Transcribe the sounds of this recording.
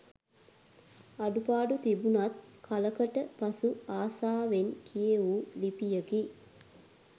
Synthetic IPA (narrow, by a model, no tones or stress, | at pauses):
ɐɖupaːɖut̪ibunɐt̪̚kʰɐləkəʈəpɐsuaːsaːʋeŋkʰijeuːlipijəki